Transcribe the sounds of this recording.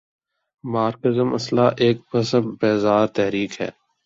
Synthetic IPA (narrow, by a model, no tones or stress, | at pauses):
maːɾkəzəmɐ̰slaʔeːk̚bɐsəbbɛːzaːɾt̪ɛɦɾiːkɦɛ̰ː